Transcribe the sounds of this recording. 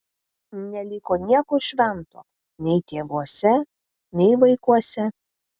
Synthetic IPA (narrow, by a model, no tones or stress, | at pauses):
nʲɛlʲiːkoːnʲiɛkoːʃʲʋʲɛnt̪o̰ː | nʲɛɪt̪ʲeːʋuɔsʲɛ | nʲɛɪʋɐɪkuɔsʲɛ